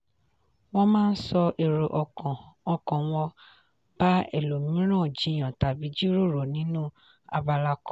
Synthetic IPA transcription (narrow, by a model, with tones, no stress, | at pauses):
wɔ̃˦mãː˦˧n̩˦sɔ˧ʔe˨ɾo˨ʔɔ˨kɔ̃˨ɔ˧kɔ̃˨w̃ɔ˧ | b̥a˦ɛ˦˨lo˨mĩ˨˦ɾ̃ã˦˨d͡ʒi˨˦˨j̃ã˨ta˨bi˨˦d͡ʒi˦ɾo˦˨ɾo˨nĩ˨˦nũ˦ | a˧ba˧la˧kɔ˦